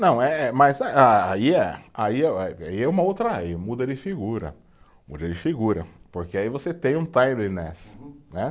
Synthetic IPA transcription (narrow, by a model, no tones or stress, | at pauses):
nɐ̃w̃ɛɛmazaaaiɛaiɛɛaiɛũmɐowt̪ɾɐimud̪ɐd͡ʒɪfiɡuɾɐ̰ | mṵd̪ɐd͡ʒɪfiɡuɾɐpoɾkeaivoset̪ẽj̃ũt̪ajlenɛsnɛ